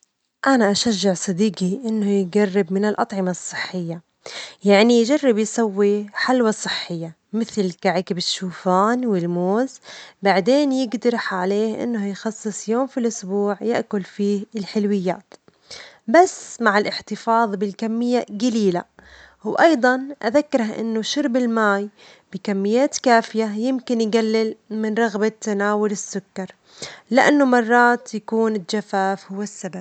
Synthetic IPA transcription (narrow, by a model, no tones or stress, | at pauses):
ʔanaʔaʃaʒːaʕsˤɑd̪iːɡiʔɪnːʊjɪtɡarːɪbmɪnɪlʔɑt̪ˤʕɪmɑsˤːɨħːɪjːa | jaʕnijd͡ʒɑrˤːɪbjsawːiħalwasˤːɨħːɪjːa | mɪθlkaʕɪkɪbɪʃːuːfaːnwɪlmoːzbaʕd̪eːnjɪɡd̪ɾɪħʕaleːhʔɪ̰nːhʊjxɑsˤːɨsˤjoːmfilʔʊsbuːʕjɪ̰ʔkʊlfiːhɪlħɪlwɪjːa̰ːt̪ | basːmaʕɪlʔɪħt̪ɪfɑːðˤbɪlkamːɪjːaɡaliːla̰ | wʔɑjd̪ˤɑnʔaðakːɪɾhaʔɪ̰nːʊʃʊɾˤbɪlmaːj | bɪkamːɪjːaːt̪kaːfɪjajɪmkɪnjɡalːɪlmɪnɾˤɑɣbat̪ːanaːwʊlɪsːʊkːɑɾˤ | lɪʔanːʊmɑrˤːɑːt̪jakuːnɪld͡ʒafaːfhʊwːasːabab̚